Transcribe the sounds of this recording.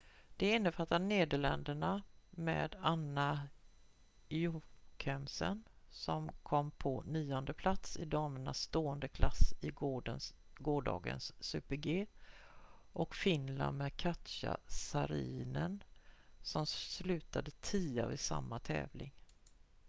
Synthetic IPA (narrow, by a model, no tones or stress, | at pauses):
d̪̥ɛɪnːəfat̪ːaneːd̪əɭɛnd̪əɳamḛːd̪anːa | jukʰɛmsənsɔmkʰɔmːpʰɔnyːɔnd̪əpʰlat̪sɪd̪ɑːməɳa̰sːt̪oːənd̪əkʰlasɪən | ɡoːɖɑ̰ːɡə̰nsːʉːpəɾɡeː | ʔɔkfɪnla̰nmɛd̪kʰat̪ʃa̰saɾiːnənsɔmslʉ̟ːt̪ad̪ət̪ʰiːa̰vɪsa̰mːat̪ʰɛ̰ːvlɪŋ